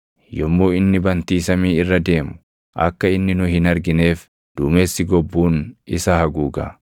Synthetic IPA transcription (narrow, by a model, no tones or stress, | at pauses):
jɔmːoːɪnːɪbɐnt̪iːsɐmiːɪrːɐd̪e̞ːmʊ̥ | ʔɐ̰kːɐɪnːɪnʊhɪnɐɾɡɪne̞ːf | d̪̥uːme̞ːsːɪɡɔbːuːnɪsɐhɐɡuːɡɐ̰